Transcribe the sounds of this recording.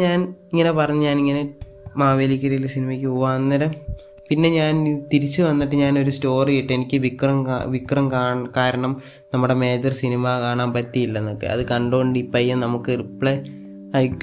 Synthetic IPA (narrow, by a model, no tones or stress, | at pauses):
ɲaːniŋːɐne̞pɐrɐɲːɐɲaːniŋːɐne̞ | maːʋeːlikʲːɐɾɐjilːɐsinimɐkʲːɨuʋaːnːɐɾɐ | pinːe̞ɲaːnit̪iɾit͡ɕːɨʋɐnːiʈːɨɲaːno̞ɾusto̞ːrijiʈːɨe̞nikʲːɨʋikːrɐmaʋikːrɐmkaːkaːɾɐɳɐm | nɐmːuɽe̞me̞ːd͡ʑɐrsinimakaːɳaːmpɐt̪ːijilːɐnːokːḛɐ̰ðɨkɐɳɖuɣoɳɖipːɐjːɐnɐmukːɨripɭe | ɐjkː